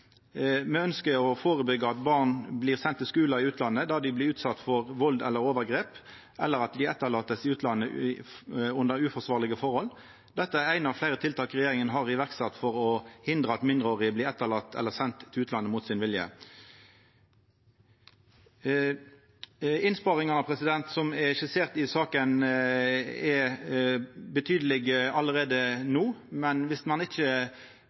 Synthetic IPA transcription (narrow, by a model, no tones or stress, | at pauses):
mɛœnskəɔfoːʁəbʏɡəɑt̪bɑːʁnbliːʁsɛnt̪ːɪlskʉːlɑɪʉːt̪ʰlɑnːəd̪ɑːd̪ɪblɪʉːt̪sɑt̪ːfɔʁʋɔld̪ɛ̰lːəɾoːʋəʁɡʁeːp | ʔɛlːəɾɑt̪̚d̪ɪɛt̪ːəʁlɑːt̪əsɪʉːt̪ʰlɑnːə | ʊnd̪əɾʉfɔsʋɑːʁlɪɡəfɔʁhɔl | d̪ɛt̪ːəæɾæɪnɑʋflæɪɾət̪ʰɪlt̪ʰɑːkʁɛjeːɾɪŋənɦɑʁɪʋæʁksɑt̪ːfɔʁɔhɪnd̪ʁəɑt̪mɪnd̪ʁəoːʁɪbliːɛt̪ːəlɑt̪ʰːɛ̰lːəʁsɛnt̪ʰːɪlʉːt̪lɑnːəmuːt̪sɪnʋɪljə̰ | ɪnspɑːʁɪŋɑnɑpʰɾɛsɪd̪ɛnt̪sɔmɛʃɪseːʁt̪ɪsɑːkən | ɛ | bət̪ʰyːd̪əlɪɡɑlːəʁeːd̪ənuːmɛnʋɪsmɑnɪçə